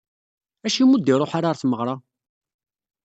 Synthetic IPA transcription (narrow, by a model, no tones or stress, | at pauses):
æʃimud̪ːiɾˤoħaɾaɾˤθməʁɾˤɑ